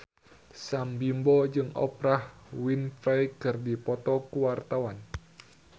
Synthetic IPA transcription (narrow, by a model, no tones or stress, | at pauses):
sambimbɔd͡ʒɨŋɔ̰pɾahwinfajkɨrdipɔt̪ɔkuwart̪awan